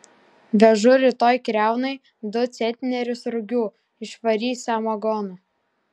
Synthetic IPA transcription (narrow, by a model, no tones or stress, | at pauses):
ʋʲɛʒʊɾʲɪt̪oːjkɾʲæˑʊnɐɪ | d̪ʊt̪sʲɛnʲt̪ʲnʲɛɾʲʊsɾʊɡʲuː | ɪʃʋɐɾʲiːsʲɐmɐɡɔːnʊ